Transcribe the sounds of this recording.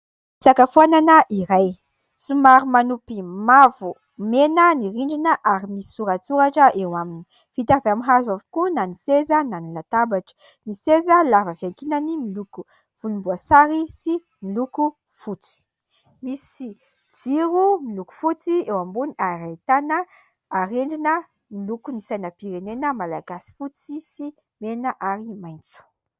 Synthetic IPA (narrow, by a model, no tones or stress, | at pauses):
t͡sakafuananəʔiɾaj | t͡sumaɾumanupimavu | menəniɾiɳɖ͡ʐinəʔaɾimisi̥suɾat͡suɾaʈ͡ʂəʔewamini̥ | vit̪avamiɦazavikunanisezənanilat̪abaʈ͡ʂə̥ | nisezəlavəvakinənimiluku | fulumbuasaɾisi | miluku | fut͡si̥ | misi | d͡ziɾumiluku̥fut͡siewambuniaɾait̪anə | aɾeɳɖ͡ʐinə | milukunisajnəpiɾenenəmalaɡasi̥fut͡sisi | menəʔaɾimajnt͡su̥